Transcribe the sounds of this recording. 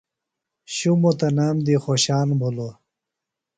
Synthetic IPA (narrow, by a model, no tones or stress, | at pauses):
ɕumot̪ɐnaːmd̪ixoɕaːnbʱulo